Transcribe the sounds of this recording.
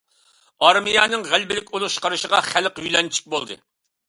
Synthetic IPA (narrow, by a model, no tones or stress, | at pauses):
ɑɾmijɑːnɨŋʁælbɪlɪkʲulˠuʃqɑɾɨʃəʁɑχælqhyjlɛnt͡ʃʰi̥k̚ʲbolˠd̪ɨ̰